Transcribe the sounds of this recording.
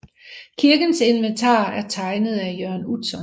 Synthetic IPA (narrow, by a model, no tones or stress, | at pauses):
kʰiɐɡ̥ənse̝nʋent͡sʰɑ̰̈ːæɐt͡sʰɑ̈ɪnəð̞̩ˠæjøɐnudsɒn